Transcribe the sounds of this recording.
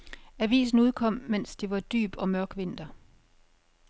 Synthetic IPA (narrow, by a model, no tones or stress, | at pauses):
æʋḭːs̬n̩uð̞ˠkʰɒ̽m̰men̰sd̥iʋɑ̈d̥y̰ːb̥ɒ̽mɶɐɡ̥ʋe̝n̰d̥ɐ